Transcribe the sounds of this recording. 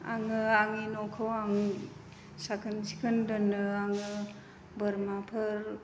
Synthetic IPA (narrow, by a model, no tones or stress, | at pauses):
a̰ŋɯaŋinɔkʰɯwaŋ | sakʰɯnsi̥kʰɯndɯnːɯaŋɯ | bɯɾmapʰɯɾ